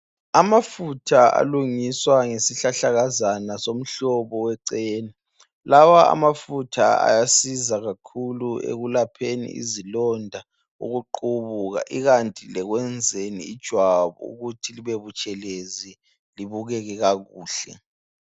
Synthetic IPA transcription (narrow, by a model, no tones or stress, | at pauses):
amafutʰaa̰luŋiswaŋesiɬaɬaɣazanasom̩ɬɔβɔwɛǀeːni | lawaa̰mafutʰaa̰jasizaɣakʰuluḛɣulapʰenḭʔḭzilɔndʱa | ṵɣuǃuβuɣa̰ʔiɣantʼilɛɣwɛnd͡zʱenḭːd̥ʒ̥ʱwaβɔ̰ṵɣutʰiliβeβut͡ʃʼɛlezi | liβuɣɛɣɛɣaɣuːɬɛ̰